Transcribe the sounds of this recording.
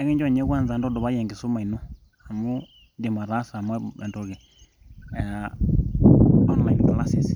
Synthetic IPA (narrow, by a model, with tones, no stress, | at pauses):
ɛ˦kɛ˦ɲd͡ʒa˦˨ɲɛ˦ka˦˨nza˨ndɔ˦dɔ˨βa˦jɛ˨ŋɡi˨su˦ma˨i˨nɔ˦ | a˨mu˦ | ndɛ˨ma˨ɾa˦sa˨mɛ̰˨ndɔ˨ɣɛ˨ | a˦nɔ˨ma˨i˨i˨ka˨la˦si˨s